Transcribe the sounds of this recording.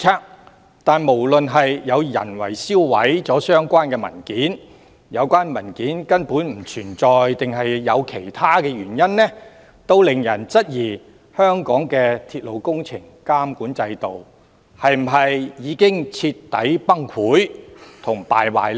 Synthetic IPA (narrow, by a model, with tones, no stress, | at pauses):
aː˥ | t̪aː˨nmo˨˩wlɵ˨nɦɐ˨jːɐ˨˧wjɐ̰˨˩nwɐ̰˨˩jsiː˥wwɐ̰˨˥jt͡sɔː˨˥sœː˥ŋkʷaː˥nkɛː˧mɐ̰˨˩nkiː˨˥n | jɐ˨˧wkʷaː˥nmɐ˨˩nkiː˨˥nkɐ˥npuː˨˥nm̩˨˩t͡ʃʰyː˨˩nt͡sɔː˨jt̪ɪ˨ŋɦɐ˨jːɐ˨˧wkʰe˨˩jt̪ʰaː˥kɛː˧ɥyː˨˩njɐ˥nːɛː˥ | t̪o˥wlɪ˨ŋjɐ˨˩nt͡sɐ˥t̚jiː˨˩ | hœː˥ŋkɔː˨˥ŋkɛː˧t̪ʰiː˧t̚lo˨˧wkʊ˥ŋt͡sʰɪ˨˩ŋkaː˥mkuː˨˥nt͡sɐ˧jt̪o˨w | hɐ˨jm̩˨˩ɦɐ˨jjiː˨˧kɪ˥ŋt͡sʰi˧t̪ːɐ̰˨˥jpɐ˥ŋkʰuː˨˥jt̪ʰʊ˨˩ŋpa̰ː˨jwa̰ː˨jl